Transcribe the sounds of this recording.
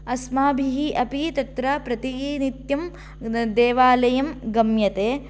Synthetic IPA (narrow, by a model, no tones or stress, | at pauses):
ɐsmaːbʱiɦiʔɐpit̪ɐt̪ɾɐpɾɐt̪init̪jɐm | d̪eːʋaːlɐjɐmɡɐmjɐt̪eː